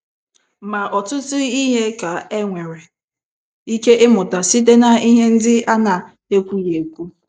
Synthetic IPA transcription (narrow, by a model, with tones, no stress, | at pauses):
ma˨ʔɔ˨tʊ˦tʊ˦i˦ɦe˦ka˨e˦ŋʷe˨ɾe˨ | i˦ke˦ʔɪ˦mʊ˨ta˨si˦te˦na˨i˦ɦe˦n̩˦dɪ˦a˦na˨ | e˦kʷu˦je˨kʷu˦